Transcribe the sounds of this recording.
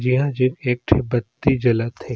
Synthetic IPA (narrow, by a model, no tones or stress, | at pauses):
d͡ʒiɦãd͡ʒeːkeːk̚ʈʰebɐt̪ːid͡ʒɐlət̪heː